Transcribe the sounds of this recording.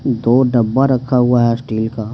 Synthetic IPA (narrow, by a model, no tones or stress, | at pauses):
d̪oːɖɐbːaɾɐkkʰaɦʊaɦɛsʈiːlka